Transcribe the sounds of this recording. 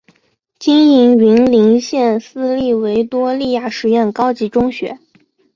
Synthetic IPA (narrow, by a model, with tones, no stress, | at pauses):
t͡ɕi˥ni˧˥ŋɥi˧˥ŋli˧˥ŋɕjɛ˥˩nsɹ̩˥˧li˥˩we˧˥ɪt̪wɔ˥li˥˧ja˥˩ʂɻ̩˧˥jɛ˥˩nkɑ˥ʊt͡ɕi˧˥ʈ͡ʂʊ˥ŋɕɥɛ̰˧˥